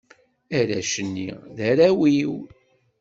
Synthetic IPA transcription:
æɾæʃənːḭðæɾæwiw

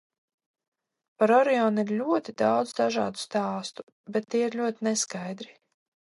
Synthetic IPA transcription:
paɾɔɾɛɔːniɾlʲuɔt̪id̪awd̪zd̪aʒɑ̰ːd̪u̥st̪aːst̪u̥ | bɛt̪ːiɛiɾlʲuɔt̪inɛskajd̪ɾi

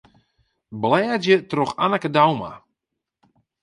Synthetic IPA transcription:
blɛːdjətroxanəkədawma̰

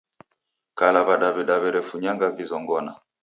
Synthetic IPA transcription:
kalaβaɗaβɛɗaβɛɾɛfuɲaŋɡavizɔŋɡɔna

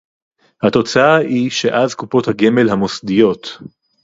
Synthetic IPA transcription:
hat̪o̞t͡saaiʃe̞ʔazkupo̞thaɡe̞me̞lɦamo̞sd̪ijo̞t̪

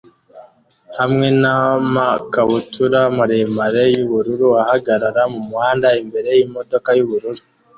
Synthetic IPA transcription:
hamŋe̞namakaβutuɾamaɾemaɾe̞juβuɾuɾuahaɡaɾaɾamumuhaːndaimbe̞ɾe̞jimo̞do̞kajuβuɾuɾu

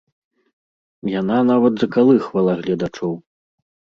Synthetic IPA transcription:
jananavɐt̪zɐkalˠɨxvalˠaɣlʲɐd̪at͡ʂɔw

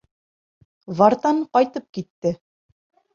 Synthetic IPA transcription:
vɑɾt̪ɑɴqɒjt̪ɤp̚kit̪ːɘ

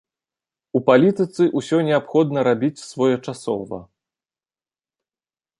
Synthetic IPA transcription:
upalʲit̪ɨt̪sɨʔusʲɔnʲɛapxɔd̪nɐɾabʲit͡sʲsvɔjɛt͡ʂasɔ̰vɐ̰

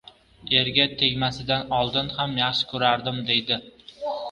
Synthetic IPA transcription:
e̞ɾɡʲat̪ʰe̞ɡʲmasɪd̪anɒlˠd̪ɪnhamjaχʃɪ̥kʰɵɾaɾd̪ɪmd̪e̞jd̪ɪ

